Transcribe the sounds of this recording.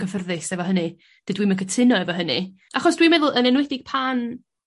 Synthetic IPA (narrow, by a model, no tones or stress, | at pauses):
kəfərðɨsɛvɔɦənɨ | d̥ɨdwimənkʰətʰɪnɔɛvɔɦənḭ | aχɔsd̥wimɛðʊlˠənɛnwɛdɪɡ̥̚pʰan